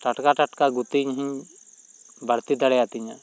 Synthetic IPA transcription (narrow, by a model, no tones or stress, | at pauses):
ʈɐʈkaʈəʈkaɡut̪iɲɦĩ | bʱəɽt̪id̪ɐɽeat̪iɲa